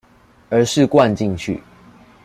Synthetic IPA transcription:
ə˨˧˥ʂɻ̩˥˨kwa˥˨˧nt͡ɕi˥˨ŋt͡ɕʰy̰˥˨

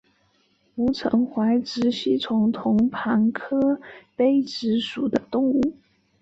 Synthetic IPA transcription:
u˧˥ʈ͡ʂʰɤ̰˧˥ŋxwa˧˥ɪʈ͡ʂɻ̩˧˥ɕi˥˩t͡sʰʊ˧˥ŋt̪ʰʊ˧˥ŋpʰa˧˥nkʰɤ˥pe˥ɪʈ͡ʂɻ̩˧˥ʂu˨˩d̪ə˦t̪ʊ˥˧ŋu˥˩

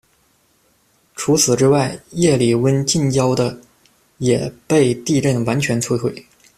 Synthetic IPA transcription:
ʈ͡ʂʰu˧˥t͡sʰɹ̩˨˩ʈ͡ʂɻ̩˥wa˥˩ɪjɛ˥˩li˨˩wə˥nt͡ɕi˥˧nt͡ɕjɑ˥ʊd̪ə˧ | jɛ˨˩pe˥˧ɪt̪i˥˧ɻə˥˩nwa˧˥nt͡ɕʰɥɛ˧˥nt͡sʰwe˥˧ɪxwe˥˩ɪ

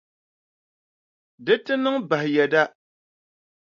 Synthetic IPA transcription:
dɨ˦tɨ˦nɨ˦ŋba˨hɪ˨jɛ˨da˦

